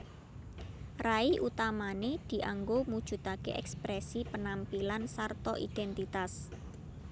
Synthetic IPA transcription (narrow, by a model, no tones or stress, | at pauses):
raiʔut̪amaned̪̥i̤ʔaŋɡomud̥ʒ̥ṳt̪akḛʔɛ̰kspɾɛsipənampilansart̪ɔʔid̪̥ɛnt̪it̪as